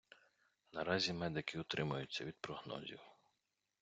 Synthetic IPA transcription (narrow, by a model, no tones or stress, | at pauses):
nɐɾɑzʲimɛd̪ɪkɪʊt̪ɾɪmʊjʊt͡sʲːɐʋʲid̪̚pɾɔɦnɔ̰zʲḭw